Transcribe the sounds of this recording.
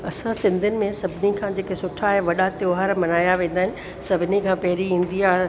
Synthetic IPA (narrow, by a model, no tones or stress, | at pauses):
ɐsãsɪ̃nd̪ʱʊnɪ̆mẽsɐbʱɪnikʰãːd͡ʑeːkesʊʈʰaɦeʋɐɗat̪joːɦaɾmɐnaːjaʋẽːn̆d̪aɦɪnɪ̆ | sɐbʱɪnikʰãːpɐɦɪɾiĩːnd̪iaːɦ